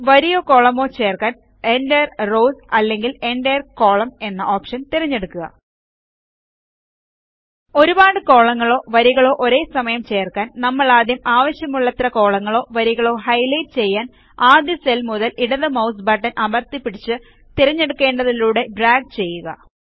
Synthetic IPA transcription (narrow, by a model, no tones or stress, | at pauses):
ʋɐɾijo̞ːko̞ːɭɐmo̞ːt͡ɕe̞ːrkaːn | e̞ɳɖejɐrro̞ːsɐlːe̞ŋɡile̞ɳɖejɐrko̞ːɭɐme̞nːɐʔoːpʂɐnt̪iɾɐɲːe̞ɽukːuɣɐ̰ | o̞ɾubaːɽɨko̞ːɭɐŋːɐɭo̞ːʋɐɾiɣɐɭo̞ːʔoɾe̞ːsɐmɐjɐmt͡ɕe̞ːrkaːnnɐmːɐɭaːd̪jɐmaːʋɐɕjɐmuɭːɐt̪rɐko̞ːɭɐŋːɐɭo̞ːʋɐɾiɣɐɭo̞ːɦɐjlɐjʈt͡ɕe̞jːaːn | aːd̪jɐselmuðɐliɽɐðɐmɐwsbɐːʈːɐnʔɐmɐrt̪ipːiɽit͡ɕːɨ | t̪iɾɐɲːe̞ɽukːe̞ːɳɖɐðiluːɽe̞ɖraːɡ̚t͡ɕe̞jːuɣɐ̰